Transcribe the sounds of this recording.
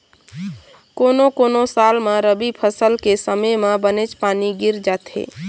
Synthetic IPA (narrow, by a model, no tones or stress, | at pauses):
koːnokoːnosaːlmẽɾəbipʰəsəlkesəməjmẽbənet͡ʃpaːniɡɪɾd͡ʒaːt̪ɦḛ